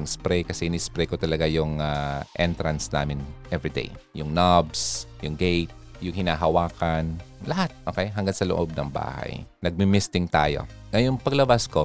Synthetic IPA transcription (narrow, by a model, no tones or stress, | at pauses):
ŋspɾɛjkɐsɛhɪnispɾɛjkot̪ɐlɐɡajʊŋaʔɛ̰nt̪ɾɐnsna̰ːmɪnʔɛvɾɪd̪ḛjjʊŋnabsjʊŋɡejt̪̚ | jʊŋhɪnaːɦɐwaːkɐnlɐɦat̪̚ʔo̰ːkɛjɦɐŋɡansɐloʔob̚nɐŋba̰ːha̰jnɐɡ̚mɪmɪst̪ɪŋt̪a̰ːjo̞̰ | ŋɐjʊŋpɐɡlɐbasko